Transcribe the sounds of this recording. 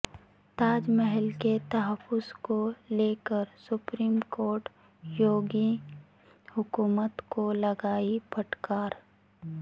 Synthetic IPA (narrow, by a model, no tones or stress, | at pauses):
t̪aːd͡ʒmɛɦɛlket̪ɐɦəfːʊzkoleːkəɾsʊpɾiːmkoːɾʈ | joːɡi | hʊkuːmət̪kolɐɡaːipʰɐʈkaːɾ